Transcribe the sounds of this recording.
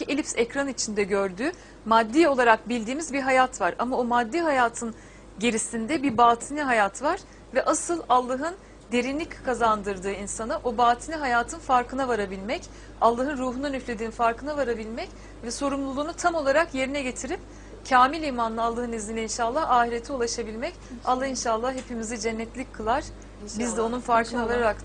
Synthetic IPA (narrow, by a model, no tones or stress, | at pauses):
ielʲipsɛcɾanit͡ʃʰind̪ɛɟøɾd̪yː | mad̪ːiːo̞lˠaɾak̚bilʲd̪iːmizbiɦajat̪ʰvaɾa̰maomad̪ːiːɦajaːt̪ʰɯn | ɟe̞ɾisind̪ɛbiɾbaːt̪ʰiniɦajat̪ʰvaɾ̥ | vɛʔasɯlˠalˠːaɦɯn | d̪e̞ɾinlːʲickʰazand̪ɯɾd̪ɯːinsanɯʔo̞baːt̪ʰinʲiɦajaːt̪ʰɯnfaɾkʰɯnavaɾabilʲmɛc | alˠːaɦɯnɾuːɦunanyflʲe̞d̪iːnifaɾkɯnavaɾabilʲmɛc | vɛso̞ɾumlˠulˠuːnut̪ʰamo̞lˠaɾakje̞ɾinɛɟe̞t̪ʰiɾip | cʰaːmilʲijmanlˠɯalˠːaɦɯniznʲinlʲɛinʃaːlˠːahaːɦiɾe̞t̪ʰiolˠaʃabilʲmɛcalˠːahinʃaːlˠːahhe̞pʰimizɛd͡ʒɛnːɛt̪lʲicʲkʰːɯlˠaɾ̥ | bizd̪ɛo̞nunfaɾkʰɯnavaɾaɾak